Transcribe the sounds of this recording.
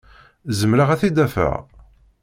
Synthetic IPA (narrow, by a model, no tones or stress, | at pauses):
zəmɾaʁæθid̪æfæ̰ʁ